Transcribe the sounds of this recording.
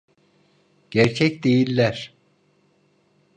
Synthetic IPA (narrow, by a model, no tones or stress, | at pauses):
ɟ̥æɾt͡ʃʰɛcd̪ejilʲːæɾ̥